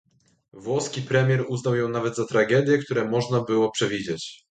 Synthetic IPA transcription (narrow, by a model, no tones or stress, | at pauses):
vwɔskʲipɾɛmʲjɛɾuznawjɔ̃w̃navɛd̪zat̪ɾaɡɛd̪ʲjɛkt̪uɾɛmɔʐnabɘwɔpʂɛvʲid͡ʑet͡ɕ